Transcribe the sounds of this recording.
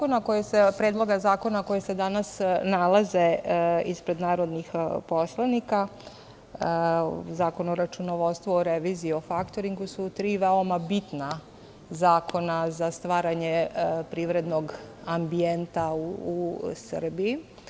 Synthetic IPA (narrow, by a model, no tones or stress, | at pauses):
konakojesepɾed̪lo̞ɡazaːko̞nako̞jese̞d̪anasnalˠaze̞ispɾed̪naːɾod̪nixpo̞slˠanika | zaːko̞noɾat͡ʃunoʋost̪ʋuoɾeʋiziːo̞fakt̪oɾiŋɡusut̪ɾiːʋeomabit̪na | zaːkʰo̞nazast̪ʋaːɾaɲepɾiːʋɾe̞d̪noɡambient̪auːsrbii